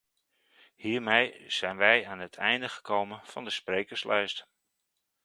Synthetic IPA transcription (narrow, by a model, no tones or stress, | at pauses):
hiːɹmejz̥ɛjnʋɛjaːnətʰɛjndəχəkʰowmənfɑndəsprejkəɹslʔɛɥst